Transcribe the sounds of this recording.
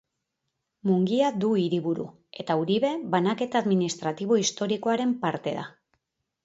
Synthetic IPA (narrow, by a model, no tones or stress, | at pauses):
muŋɡiad̪uiɾiβuɾṵ | e̞t̪auɾiβe̞βanake̞t̪aːðminist̪ɾat̪iβ̞o̞ist̪o̞ɾiko̞aɾe̞mpaɾt̪e̞ða̰